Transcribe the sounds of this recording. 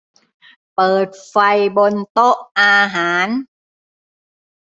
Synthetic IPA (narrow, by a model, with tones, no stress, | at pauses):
pɤː˨˩t̪̚fa˧jbo˧nt̪o˦˥ʔʔaː˧ɦaː˩˦n